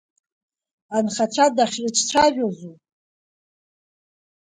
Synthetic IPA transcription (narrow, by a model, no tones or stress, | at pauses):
anχaʈ͡ʂʷʰadaχʲrɨt͡ʃʷʰʼʈ͡ʂʷʰaʒᶣozu